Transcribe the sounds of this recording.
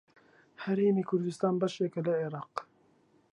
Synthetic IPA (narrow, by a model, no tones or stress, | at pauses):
hɛɾeːmiːkʰʊɾd̪ɪst̪ɑːnbɐʃɛkɛlɐeɾɑːq